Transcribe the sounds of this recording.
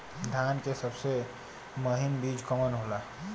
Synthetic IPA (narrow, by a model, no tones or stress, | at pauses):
d̪ʱjaːnkesəbse | məɦɪnbiːd͡ʒkəmənɦoːlaː